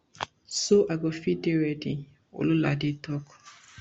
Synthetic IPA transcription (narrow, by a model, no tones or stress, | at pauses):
soʔaɡɔfidewɛdi | o̰lula̰ditɔk